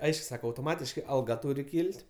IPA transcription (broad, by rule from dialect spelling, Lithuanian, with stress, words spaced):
ˈɐɪʃkʊ ˈsɑːkɐ ɐʊtoːˈmɑːtʲɪʃkɐɪ ɐlˠˈɡɐ ˈtuːrʲɪ ˈkʲiːlʲtʲ